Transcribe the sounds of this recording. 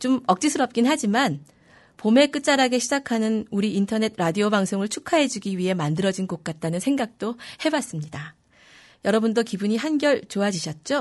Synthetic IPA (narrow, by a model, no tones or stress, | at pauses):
t͡ɕomʌk̚t͡ɕ͈isʰɯɾʌp̚k͈inɦad͡ʑiman | pome̞k͈ɯt̚t͡ɕ͈aɾaɡe̞ɕʰid͡ʑakʰanɯnuɾiːntʰʌne̞tʰɾadiobaŋsʰoŋɯɭt͡ɕʰukʰaɦe̞d͡ʑuɡiɥiɦe̞mandɯɾʌd͡ʑinɡok̚k͈at̚t͈anɯnsʰe̞ŋɡak̚t͈ohe̞bas͈ɯmɲida | jʌɾʌbundokibuɲiɦanɡjʌɭt͡ɕoad͡ʑiɕʰʌt̚t͡ɕ͈o